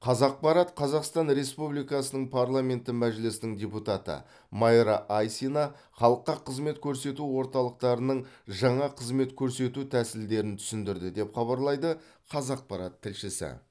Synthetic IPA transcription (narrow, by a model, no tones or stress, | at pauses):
qʰɑzɑq̚pɑɾɑt̪qʰɑzɑqst̪ɑnɾe̞spublijkɑsənəɴpʰɑɾlˠamʲe̞nt̪ɪmæʒɪlɪsɪnɪŋdʲeput̪ɑt̪ə̰ | mɑjɾɑʔajsinɑ | χɑlˠəqːɑqʰəzme̞t̪kʲʰɵɾse̞t̪uwo̞ɾt̪ɑlˠəq̚t̪ɑɾənəɴʒɑɴɑqʰəzme̞t̪kʲʰɵɾse̞t̪ut̪ʰæsɪld̪e̞ɾɪnt̪ʰʏ̥sɪnd̪ɪɾd̪ɪd̪e̞pχɑbɑɾlˠɑjd̪ə | qʰɑzɑq̚pɑɾɑt̪ʰːɪlʃɪsɪ̰